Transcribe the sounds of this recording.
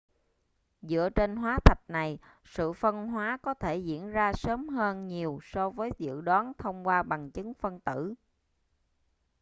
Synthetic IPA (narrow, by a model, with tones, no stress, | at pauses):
zɨ̰˧˥ət͡ɕe˧nɦwaː˨˦t̪ʰə˨˩t̚na˨˩j | sɨ̰˧˨fə˧nɦwaː˨˦kɔ˨˦t̪ʰe˧˩zḭ˧˥ənzaː˧səː˨˦mɦəː˧nɲi˨˩əwsɔ˧vəː˨˦jzɨ̰˧˨əɗwɔ˨˦nt̪ʰə˧wŋ͡mkwaː˧ɓa˨˩ŋt͡ɕɨ˨˦ŋfə˧nt̪ɨ̰˧˩˨